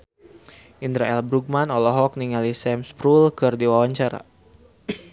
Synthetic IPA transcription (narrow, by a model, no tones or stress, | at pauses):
ʔind̪ɾaɛlbɾuɡ̚manɔlɔɦɔk̚niŋalisɛmspɾulkɨrdiwawaɲt͡ʃaɾa̰